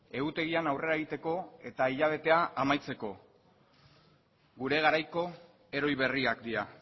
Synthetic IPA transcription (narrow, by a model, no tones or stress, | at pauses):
e̞ɣut̪e̞ɣianawre̞ɾaeɣit̪e̞ko̞e̞t̪aiʎaβ̞e̞t̪e̞aːmajt͡se̞ko̞ | ɡuɾe̞ɣ̞aɾajko̞ | e̞ɾo̞jβe̞riakd̪iɾa